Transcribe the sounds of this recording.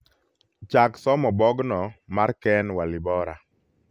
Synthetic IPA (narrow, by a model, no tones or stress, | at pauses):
t͡ʃaksɔmɔbɔɡnɔmaɾkɛnwalɪbɔɾa̰